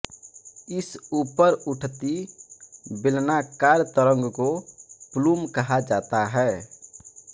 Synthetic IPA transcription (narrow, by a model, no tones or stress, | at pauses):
ɪsuːpəɾʊʈʰt̪i | bɪlnakaːɾt̪əɾə̃ŋɡkopluːmkəɦad͡ʒaːt̪aɦɛː